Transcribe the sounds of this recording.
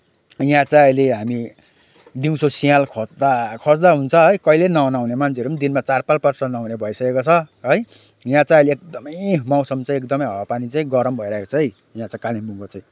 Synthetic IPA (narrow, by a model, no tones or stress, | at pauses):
jãt͡saiʌjleɦami | d̪iw̃sʰosialkʰʌt͡sd̪akʰʌt͡sd̪aɦunt͡sʰʌʌjkʌilenʌʌnawnemansʰeʌɾupʌnd̪inmat͡sarpalpʌrsʌnnawnebʱʌisʌkekot͡sʰʌʌj | jãt͡sãj̃ʌjleekd̪ʌmʌjmaw̃sʌmt͡saĩekd̪ʌmʌjɦʌpanit͡saĩɡʌɾʌmbʱʌiɾaɦekot͡sʰʌɦʌj | jãt͡saĩkalibuŋɡot͡sãj̃